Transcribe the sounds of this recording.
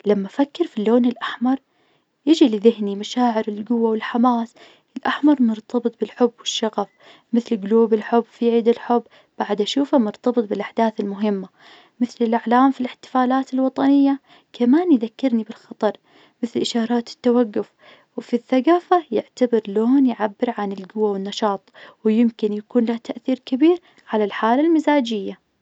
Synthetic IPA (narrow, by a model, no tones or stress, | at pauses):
lamːafakːɪɾfilːoːnɪlʔaħmɑɾˤ | jɪd͡ʒiliðɪhnimaʃaːʕɪɾɪlɡʊwːawɪlħamaːs | ɪlʔaħmɑɾˤnʊɾt̪ʰɑbɨt̪̚ˤbɪlħʊbːwɪʃːɑɣɑf | mɪθlɪɡʊluːbɪlħʊbːfiʕiːd̪ɪlħʊbː | b̥aʕd̪ʔaʃuːfamʊɾt̪ɑbɨt̪̚ˤbɪlʔaħd̪aːθɪlmʊɦɪmːa | mɪθlɪlʔaʕlaːmfilɪħt̪ɪ̥faːlaːt̪ɪlwɑt̪ˤɑnɪjːa | kʰamaːnjðakːɪɾnibɪlxɑt̪ˤɑɾˤ | mɪθlʔɪʃɑːɾˤɑːt̪ɪ̥t̪ːawaɡːʊf | wfiθːaɡaːfajɪʕt̪abɪɾloːnjʕabːɪɾʕanɪlɡʊwːawɪnːɑʃɑːt̪ˤwjɪmkɪnjakuːnlaht̪aʔθiːɾkabiːɾ | ʕalalħaːlalmɪzaːd͡ʒɪjːa